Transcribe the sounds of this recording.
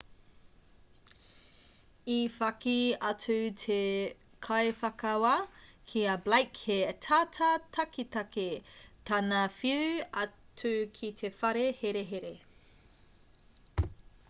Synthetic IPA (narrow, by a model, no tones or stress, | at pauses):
ifɐkiɐt͡sʉtʰe | kʰɐefɐkɐwɐkʰiɐblajkhetʰatʰɐtʰɐkitɐketɐnɐfiʉɐt͡sʉkʰitʰefɐɾeheɾeɦeɾe